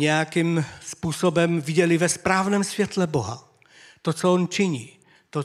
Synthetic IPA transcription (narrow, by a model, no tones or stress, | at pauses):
ɲɛjakimspuːsobɛmvɪɟɛlɪvɛspɾaːvnɛːmsvjɛt̪lɛboɦa̰ | t̪ot͡soont͡ʃɪɲi | t̪o